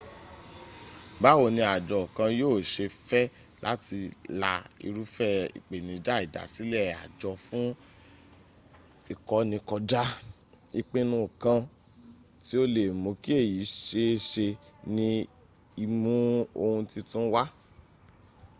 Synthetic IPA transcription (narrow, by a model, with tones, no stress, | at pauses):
ba˨˦wo˨nĩ˧a˨d͡ʒɔ˨kã˧joː˦˨ʃe˧fɛ˦ | la̰˦ti˧la˧ḭ˧ɾu˦fɛ˦ḭ˨k͡pe˨nĩ˨˦d͡ʒa˦i˦˨da̰˨si˦lɛ˦˨a̰˨d͡ʒɔ˧fũ˦ | i˦˨kɔ˧˦nĩ˧kɔ˧d͡ʒa˦ | i˧k͡pe˧nũ˧˨kã˧ | ti˦o˦le˨mo˨˦ki˦e˦˨ji˨˦ʃe˦ʃe˧ | nĩ˧ | i˧mũ˦o˧hũ˧ti˧tũ˦wa˦